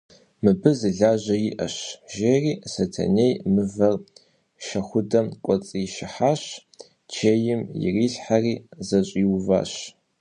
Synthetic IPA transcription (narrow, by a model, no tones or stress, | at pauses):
mɨbɨzɨɮaːʑɐjɪʔɐ̰ɕʒeːriːsɐtʰɐ̰nejmɨvɐr | ʃɐxʷʊdɐmkʷʼɔt͡sʼiʃɪħaːɕ | t͡ʃʰeːjɪmjɪ̰riːɬħariːzɐɕʼiːwva̰ːɕ